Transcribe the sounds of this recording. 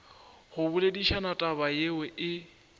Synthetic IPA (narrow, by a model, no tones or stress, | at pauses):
hʊbʊlediʃʰanatʼaβajewɛʔɪ